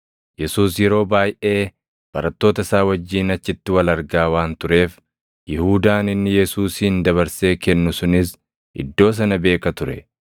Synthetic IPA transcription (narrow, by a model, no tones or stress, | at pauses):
jɛsuːsjɛɾo̞ːbaːjʔe̞ː | b̥ɐɾɐt̪ːo̞ːt̪ɐɪsaːwɐd͡ʒːiːnɐt͡ʃːɪt̪ːɪwɐlɐɾɡaːwaːnt̪ʊɾe̞ːf | jɪhuːd̪aːnɪnːɪjɛsuːsːnd̪ɐβɐɾse̞ːkɛnːʊsʊnɪs | ʔɪ̰d̪ːo̞ːs̬ɐnɐbe̞ːkɐt̪ʊɾɛ̰